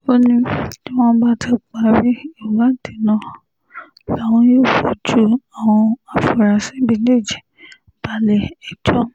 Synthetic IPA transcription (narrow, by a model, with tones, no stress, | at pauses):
o˦nĩ˦ti˦w̃ɔ̃˦ba˦tʰɛ˦˨k͡pa˨˦ɾi˦i˦˨u˨ɡã˨˦n̩˨tʰi˨nã˦˨ | la˨w̃ɔ̃˧joː˦˨fo˨d͡ʒu˦a˨w̃ɔ̃˧a˨fu˨ɾa˨sĩ˦bi˧ne˦˨d͡ʒɛ˨ | ba˨lɛ˨ɛ˨d͡ʒɔ˦˨